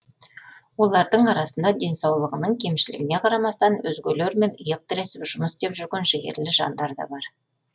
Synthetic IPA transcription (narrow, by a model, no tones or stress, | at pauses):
wo̞lˠɑɾd̪əɴɑɾɑsənd̪ɑd̪e̞nsɑwlˠəʁənəɴkʲʰe̞mʃɪlɪ̰ɡʲɪne̞qʰɑɾɑmɑst̪ɑnwɵzɡʲeleɾme̞nəjəq̚t̪ɪɾesɪpʒ̥ʊməsd̪e̞pʒʏɾɡʲe̞nʒeɡʲe̞̰ɾlɪʒɑ̰nd̪ɑɾd̪ɑ̰bɑɾ